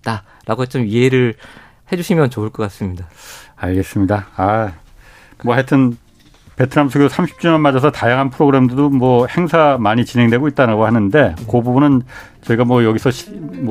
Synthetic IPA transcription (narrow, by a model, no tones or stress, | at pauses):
t͈a | ɾaɡot͡ɕomieɾɯɭ | he̞d͡ʑuɕʰimjʌnt͡ɕoɯɭk͈ʌk͈as͈ɯmɲidaaɭɡe̞s͈ɯmɲidaa | mwʌhetʰɯn | pe̞tʰɯɾamsʰuɡjosʰamɕʰi̥p̚t͡ɕ͈umʌnmad͡ʑʌsʰʌtajaŋɦanpʰɯɾoɡɯɾe̞mdudomwʌhe̞ŋsʰamaɲit͡ɕinɦe̞ŋdwe̞ɡoit̚t͈aɾaɡohanɯnde̞kobubunɯn | t͡ɕʌiɡamwʌjʌɡisʰʌɕʰm